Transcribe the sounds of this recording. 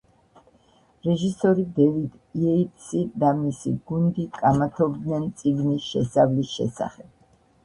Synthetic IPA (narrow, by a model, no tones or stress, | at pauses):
ɾɛʒisɔɾid̪ɛvid̪ | iɛit̪sid̪amisḭɡ̥und̪ikʼamat̪ʰɔbd̪nɛnt̪sʼiɡnisʃɛsavlisʃɛ̰sa̰χɛb̥̚